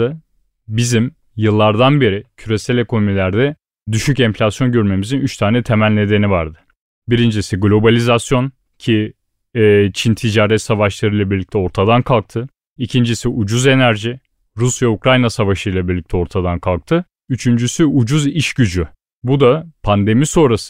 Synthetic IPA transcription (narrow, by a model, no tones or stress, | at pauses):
ɯ | bizim | jɯlˠːaɾd̪anbe̞ɾicʰyɾe̞sælʲe̞ko̞nomilʲæɾd̪ɛ | d̪yʃycɛmflʲasjo̞nɟøɾme̞mizinyt͡ʃt̪ʰaːnɛt̪ʰe̞mælʲne̞d̪e̞nivaɾd̪ɯ̥ | biɾind͡ʒisiɡlʲˠo̞balʲizasjo̞n | cʰi | ɛt͡ʃʰint̪ʰid͡ʒaːɾɛt̪savaʃlˠaɾɯjlˠabiɾlʲic̚t̪ʰɛo̞ɾt̪ʰad̪ankʰalˠk̚t̪ʰɯ | icʰind͡ʒisiʔud͡ʒuze̞næɾʒi | ɾusjaukɾajnasavaʃɯjlˠabiɾlʲic̚t̪ʰɛo̞ɾt̪ʰad̪ankʰalˠk̚t̪ʰɯ | yt͡ʃʰynd͡ʒysyud͡ʒuziʃɟyd͡ʒy | bud̪apʰand̪e̞miso̞nɾas